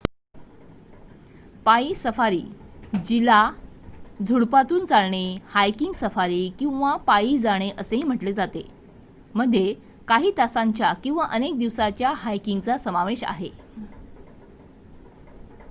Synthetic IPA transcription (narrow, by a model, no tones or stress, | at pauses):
paiːsəfaɾḭːd͡ʑila | d͡zʱuɽpat̪uːnt͡salɳehajkiŋɡsəfaɾiːkĩw̃ʋapaiːd͡zaɽ̃eʔəseɦiːm̤əʈled͡zat̪e | məd̪ʱːje | kaɦiːt̪asaɲt͡ɕjakĩw̃ʋaʔənek̚d̪iʋsat͡ɕjaɦajkiŋɡt͡sasəmaʋeɕa̰ɦe